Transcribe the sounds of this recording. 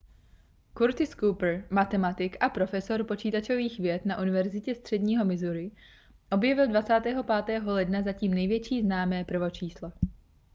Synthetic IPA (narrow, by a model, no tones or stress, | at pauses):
kuɾt̪ɪskupr̩mat̪ɛmat̪ɪkʔapɾo̞fɛso̞ɾpo̞t͡ʃiːt̪at͡ʃo̞viːxvjɛt̪naʔunɪvɛɾzɪcɛst̪r̝̥ɛdɲiːɦo̞mɪzuɾɪ | ʔo̞bjɛvɪldvat͡saːt̪ɛːɦo̞paːt̪ɛːɦo̞lɛdnazaciːmnɛjvjɛt͡ʃiːznaːmɛːpr̩vo̞t͡ʃiːsla